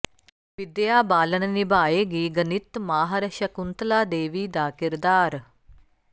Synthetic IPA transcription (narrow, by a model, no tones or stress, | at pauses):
ʋid̪jaːbaːlɐnɐnibʱaːjeːɡiːɡɐnit̪maːɦɐɾɐʃɐkunt̪laːd̪eːʋiːd̪aːkiɾd̪aːɾ